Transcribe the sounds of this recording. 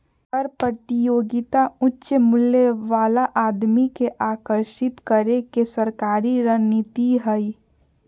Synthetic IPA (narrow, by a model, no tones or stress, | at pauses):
əɾpɾt̪ijoːɡɪt̪aʊtːʃəmʊlːeʋaːlaʔaːd̪mikeʔaːkəɾʃɪt̪kəɾekesəɾkaːɾiɾənit̪iɦəi